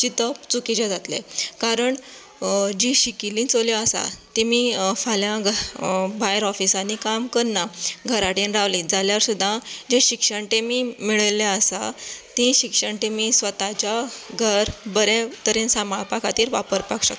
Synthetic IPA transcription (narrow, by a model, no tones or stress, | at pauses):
t͡ɕit̪əpt͡sukit͡ɕad͡zat̪lḛkaɾəɳ | d͡ʑiɕikilĩt͡solaəsa̰t̪ẽmifaljãɡʱbajɾɔfisanikamkəɾnaɡʱəɾaʈẽnɾaʋlĩd͡zaljaɾsud̪ʱːãd͡ʑeɕikʂəɳʈemiːmiɭəlaəsat̪ĩɕikʂəɳʈẽmisʋət̪at͡ɕaɡʱəɾbəɾɛ̃t̪əɾẽnsamapakat̪iːɾʋapəɾpakɕəkt̪